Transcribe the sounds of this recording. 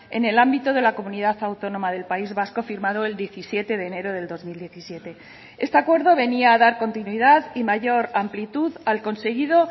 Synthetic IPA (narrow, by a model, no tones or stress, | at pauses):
e̞̰ne̞lambit̪o̞ð̞e̞lako̞mũniðaθawt̪o̞no̞maðe̞lpaizβasko̞fiɾmaðo̞e̞ld̪je̞θisje̞t̪e̞ðe̞ːne̞ɾo̞ð̞e̞ld̪o̞zmild̪je̞θisje̞t̪e̞ | e̞st̪eakwe̞ɾðo̞β̞e̞niaːðaɾko̞nt̪inwiðaðimaʝo̞ɾamplit̪uðalko̞nse̞ɣiðo̞